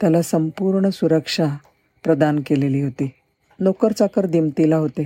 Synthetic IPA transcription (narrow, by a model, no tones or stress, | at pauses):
t̪jalasəmpuɾɳəsuɾəkʂa | pɾəd̪ankeleliːɦot̪iː | nokəɾt͡sakəɾd̪imt̪ilaɦot̪e